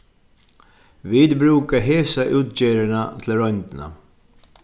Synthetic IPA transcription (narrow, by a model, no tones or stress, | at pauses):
ʋiːd̪bɾʉːkəɦeːsaʔʉːt̪̚d͡ʒeːɾəɳat̪ʰl̩ɾœnd̪na̰